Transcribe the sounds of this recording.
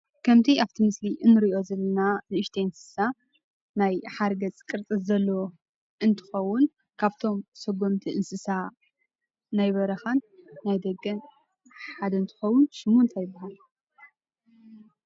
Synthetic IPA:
kʰɐmt̪ʰiaβt̪ʰimɨsliʔɨnːɨɾiʔo̞zɐlːɐnanɨɨʃt̪ʰeɨnsɨ̥sa | najħaɾɡɐt͡sʼkʼɨɾt͡s̪ʼɨszɐlːɐwo | ɨnt̪ʰɨ̥xɐwːʊn | kʰaβt̪ʰo̞msɐɡo̞mt̪ʰiʔɨnsɨsa | najβɐɾɐxanːajd̪ɐɡːɐn | ħad̪ɐɨnt̪ʰɨ̥xɐwːʊnʃɨmont̪ʰajɪbːaɦal

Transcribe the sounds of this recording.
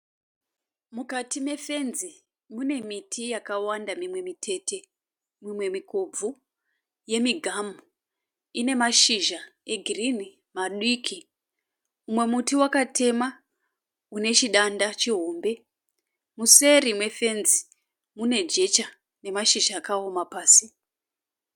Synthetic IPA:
mukatime̞fe̞nzi | mune̞mitʰijakawandamimwe̞mitʰe̞te̞ | mimwe̞mikob͡vu | je̞miɡʱamu | ine̞maʃiʒaeɡʱirini | maɗwikʰi | umwe̞mutiwakatʰe̞ma | une̞t͡ʃiɗandat͡ʃiɦo̞ːmbe̞ | muse̞ɾimwe̞fe̞nzi | mune̞d͡ʒe̞t͡ʃa | ne̞maʃiʒaːkao̞mapaːsi

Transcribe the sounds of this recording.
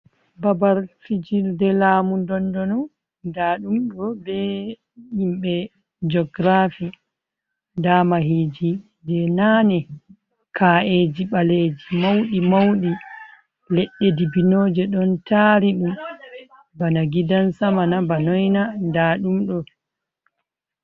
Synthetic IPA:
babaɾtid͡ʒildɛlaːmundɔndɔnɔ | daɗumɗɔbɛ | jimɓɛ | d͡ʒɔɡɾafi | damaɦiːd͡ʒi | d͡ʒɛnaːnɛ | kʰaed͡ʒiɓaleːd͡ʒimawɗimawɗi | lɛɗːedibinoːd͡ʒɛɗɔntaɾiɗum | banaɡidansamanabanɔjnadaːɗumɗɔ

